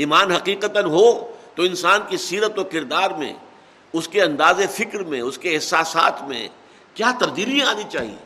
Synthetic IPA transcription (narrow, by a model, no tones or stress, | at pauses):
iːmaːnɦɐqiːqət̪ənɦot̪oɪ̃nsaːnkisiːɾət̪okɪɾd̪aːɾmḛ̃ | ʊskeɐ̃nd̪aːzefɪkɾmḛ̃ʊskeɪɦsaːsa̰ːt̪ʰmḛ̃ | kjaːt̪ɐɾd̪iːɾijẽaːnit͡ʃaːɦie